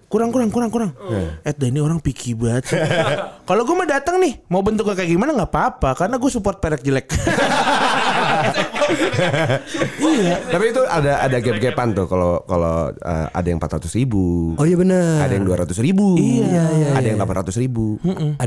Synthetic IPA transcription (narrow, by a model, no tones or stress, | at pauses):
kuɾaŋkuɾaŋkuɾaŋkuɾaŋnaɛt̪̚dainioɾaŋpikʰibuat̪ | kaloɡuamadat̪əŋnɪhmaubənt̪̬ʊk̚akːaɡimanaŋɡapaːpakaɾənaɡuasupɔrt̪̚pɛlɛk̚d͡ʒəlɛk̚ | ijat̪apiːt̪uʔadaʔa̰daɡɛp̚ɡɛpant̪ʊhkaloka̰lo̰ə̰ːa̰daja̰ŋmpat̪rat̪ʊsɾibuojabənəadajaŋduaɾat̪ʊsɾibuiaadajaŋlapanrat̪ʊsɾibum̩m̩